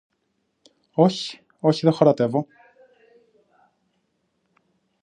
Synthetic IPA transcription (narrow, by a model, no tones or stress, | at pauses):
oçi̥ | oçiðexoɾɐt̪e̞vo̞